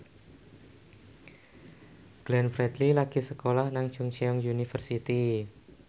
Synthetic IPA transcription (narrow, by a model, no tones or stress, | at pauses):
ɡ̥lɛnfɾɛd̪lilaɡ̥isəkolahnaŋd̥ʒ̥ʊŋt͡ʃeɔŋjunifərsit̪i